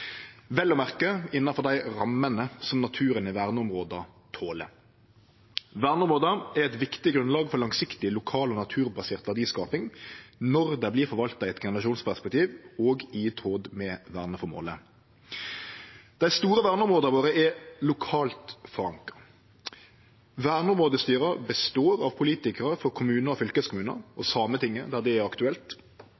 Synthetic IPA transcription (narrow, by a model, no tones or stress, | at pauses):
ʋɛlːɔmæʁkəɪnːɑfɔʁd̪æɪʁɑmənəsɔmnɑt̪ʰʉːɾənɪʋæʁnəʊmʁoːd̪ɑt̪ʰoːlə̰ | ʋæʁnəʊmʁoːd̪ɑæʁɛt̪ʋɪkt̪ɪɡʁʉnlɑːɡfɔʁlɑŋsɪkt̪ɪlʊkʰɑːlɔːnɑt̪ʰʉːʁbɑseːʁt̪ʋæʁd̪iːskɑːpɪŋnɔʁd̪ɛbliːʁfɔʁʋɑlt̪ɑɪɛt̪ɡɛnəʁɑʃuːnspʰæʁspɛk̚t̪ʰiːʋoːɡit̪ʰoːd̪mɛʋæːʁnəfɔmo̰ːlə | d̪̥æɪst̪uːɾəʋæːʁnəɔmʁoːd̪əɾʋoːʁɾəɛlʊkʰɑːlt̪fɔɾɑŋkə | ʋæːʁnəʊmʁoːd̪əst̪yːɾəbəst̪oːɾɑʋpʰʊliːt̪ɪkəʁəfɔɾkʰʊmʉːnəɾɔfʏlkəskʰʊmʉːnə̰ɔsɑːmət̪ʰɪŋːəd̪æʁd̪ɛæʁɑkt̪ʉɛlt̪